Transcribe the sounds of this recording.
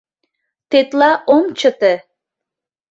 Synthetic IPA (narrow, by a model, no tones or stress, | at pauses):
t̪et̪lɑʔomt͡ʃət̪e